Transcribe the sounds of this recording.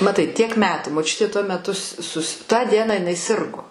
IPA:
mɐˈtɐɪ tʲiɛk ˈmʲæːtuː moːˈt͡ʃʲʊtʲeː tuɔ mʲɛˈtʊ s sʊs tɑː ˈdʲiɛnɑː ɪˈnɐɪ ˈsʲɪrɡoː

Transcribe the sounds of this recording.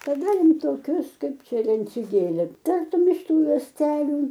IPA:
tɐˈdɐ ɪn toːˈkʲʊs ˈkɐɪp ˈt͡ʃʲɛ lʲɛnʲt͡sʲʊɡʲeːlʲɪˈtɐrtʊm ɪʃ ˈtuː juɔsʲˈtʲæːlʲʊ

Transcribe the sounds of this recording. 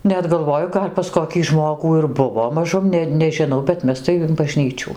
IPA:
ˈnʲɛt ɡɐlˠˈʋoːjʊ ˈɡɐlʲ pɐs koːˈkʲiː ˈʒmoːɡuː ɪr ˈbʊʋoː mɐˈʒʊm ˈnʲɛ nʲɛʒʲɪˈnɐʊ bʲɛt ˈmʲɛs tɐɪ ɪn bɐˈʒʲnʲiːt͡ʃʲuː

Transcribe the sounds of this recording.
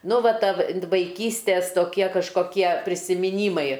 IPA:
ˈnʊ ˈʋɐ ˈtɑːʋʲɪ ʋɐɪˈkʲiːsʲtʲeːs toːˈkʲiɛ kɐʃkoːˈkʲiɛ pʲrʲɪsʲɪmʲɪˈnʲiːmɐɪ

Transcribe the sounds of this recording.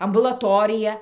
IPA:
ɐmbʊlˠɐˈtoːrʲɪjɛ

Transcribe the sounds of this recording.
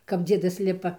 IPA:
kɐp ˈd͡zʲiɛdɐs ˈlʲɪpɐ

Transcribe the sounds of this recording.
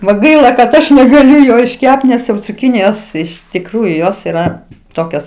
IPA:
ʋɐ ˈɡɐɪlˠɐ kɐt ˈɐʃ nʲɛɡɐˈlʲʊ ˈjoː ɪʃʲˈkʲɛpt nʲɛs jɛʊ t͡sʊˈkʲɪnʲɪjoːs ɪʃ tʲɪkˈruːjʊ ˈjoːs iːˈrɐ ˈtoːkʲɛs

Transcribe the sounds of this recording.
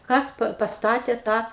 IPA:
ˈkɐs pɐ pɐsˈtɑːtʲeː ˈtɑː

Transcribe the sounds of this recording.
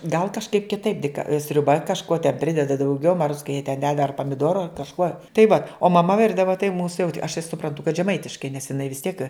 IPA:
ɡɐlˠ kɐʃˈkɐɪp kʲɪˈtɐɪp dʲɪk sʲrʲʊˈbɐ kɐʃˈkuɔ tʲɛn ˈpʲrʲɪdʲɛdɐ dɐʊˈɡʲɛʊ mɐ ruɔts kɐ jiɛ tʲɛn dʲɛt ɐr pɐmʲɪˈduɔroː ɐr kɐʃˈkuɔ tɐɪ ʋɐ oː mɐˈmɐ ˈʋʲɪrdɐʋɐ tɐɪ muːs jɛʊ ɐʃ tɐɪ sʊprɐnˈtʊ kɐt ʒʲɛˈmɐɪtʲɪʃkɐɪ nʲɛs ɪˈnɐɪ ʋʲɪs tʲiɛk

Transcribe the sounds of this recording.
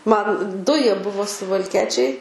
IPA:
ˈmɐn ˈdʊ ˈjiɛ ˈbʊʋoː sʊʋɐlʲˈkʲiɛt͡ʃʲɛɪ

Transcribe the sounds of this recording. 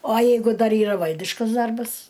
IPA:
oː ˈjɛɪɡʊ ˈdɐr ˈiːrɐ ˈʋɐlʲdʲɪʃkɐs ˈdɐrbɐs

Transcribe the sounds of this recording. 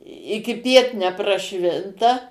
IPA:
ɪkʲɪˈpʲiɛt nʲɛprɐˈʃʲʋʲɪntɐ

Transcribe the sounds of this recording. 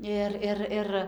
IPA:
ˈɪr ˈɪr ˈɪr

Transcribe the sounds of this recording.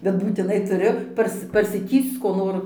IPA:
bʲɛt buːtʲɪˈnɐɪ tʊˈrʲʊ ˈpɐrs pɐrʲsʲɪˈtʲiːst͡s koː ˈnoːr

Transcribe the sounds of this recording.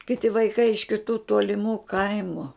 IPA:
kʲɪˈtʲɪ ʋɐɪˈkɐɪ ɪʃ kʲɪˈtuː toːlʲɪˈmuː ˈkɐɪmʊ

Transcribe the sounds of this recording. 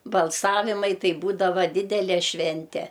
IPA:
bɐlˠˈsɑːʋʲɪmɐɪ ˈtɐɪ ˈbuːdɐʋɐ ˈdʲɪdʲɛlʲɛ ˈʃʲʋʲɛnʲtʲɛ

